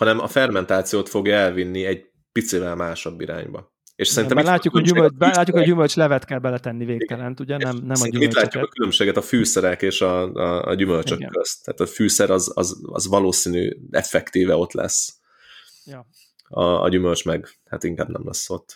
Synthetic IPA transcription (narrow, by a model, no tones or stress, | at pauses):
hɒnɛmɒfɛrmɛnt̪aːt̪sijoːt̪fo̞ɡjɛlvinːiɛɟ | pit̪sivɛlmaːʃɒbːiɾa̰ːɲbɒ̰ | eʃsɛɾint̪ɛmmit̪laːukoymød͡ʒɛlaːukhojymølt͡ʃlɛvɛt̪kɛlbɛlɛt̪ɛnːiveːk̪ɛlɛnt̪uɟɛnɛmnɛsinɛmit̪laːcːukɒkylømʃeːɡɛt̪ɒfyːsɛɾɛkeːʃɒɒ̰ɟymølt͡ʃøkkːøst̪ːa̰ːt̪ɒfyːsɛɾɒzɒ̰zɒ̰zʋɒloːsiːny̰ːɛ̰fɛkt̪iːvɛo̞t̪lɛ̰s | ɒ̰ɒ̰ɟymølt͡ʃmɛɡha̰t̪iŋka̰ːbnɛ̰mlɛ̰sːo̞t̪ː